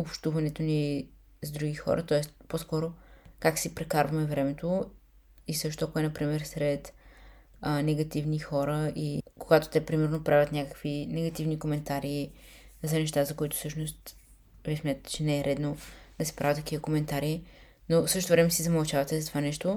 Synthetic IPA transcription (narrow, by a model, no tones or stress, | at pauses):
opʃt̪uvɐnɛt̪oni | zd̪ɾuɡixɔ̰ɾʔə̰t̪ɔɛst̪poskɔɾokaksipɾɛkaɾvɐmɛvɾɛmɛt̪o | isɤʃt̪oakʊɛnɐpɾimɛɾsɾɛt̪ | nɛɡɐt̪ivnixɔɾəikoɡat̪o̥t̪ɛpɾimɛɾnopɾʔavʲət̪nʲakə̥kvinɛɡɐt̪ivnikomɛnt̪aɾiː | zɐnɛʃt̪azɐkʊit̪ʊ̥sɤʃnost̪ | vismʲjat̪t̪ɛ̥t͡ʃɛnɛːɾɛd̪nod̪̥ɐsɛ̥pɾavət̪ɐkivəkomɛnt̪aɾi | nosɤʃt̪ot̪ovɾɛmɛsizɐmɐlˠt͡ʃavɐt̪ɛzɐt̪ovanɛʃt̪o